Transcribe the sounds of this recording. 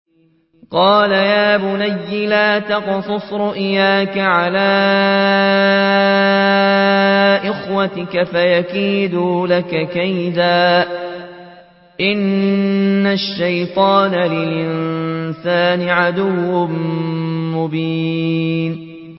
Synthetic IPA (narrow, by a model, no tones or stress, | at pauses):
qɑːlajaːbʊnajːɪlaːt̪ɑqsˤʊsˤɾʊʔɪjaːkaʕalaː | ʔɪxwat̪ɪkafajakiːd̪uːlakakajd̪aː | ʔɪnː | aʃːajt̪ˤɑːnalɪlʔɪnsaːnɪʕad̪ʊwːʊm | mʊbiːn